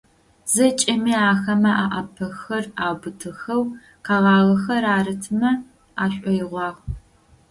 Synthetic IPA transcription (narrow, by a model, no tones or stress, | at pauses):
zɐt͡ʃʼɐmiːaːxɐmɐʔaʔɐpʰɐxɐraːbɨtʰɨxɐw | qɑʁɑːʁɐxɐraːrɨtʰɨmɐ | aːɕʷʼɔjɪʁʷɑːʁ